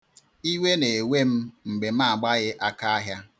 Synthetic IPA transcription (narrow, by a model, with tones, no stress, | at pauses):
i˦we˦ne˨we˦m̩˦ŋ͡m̩˨ɡ͡be˨m̩a˦˨ɡ͡ba˦ɣɪ˦ʔa˦ka˦a˦ɦja˦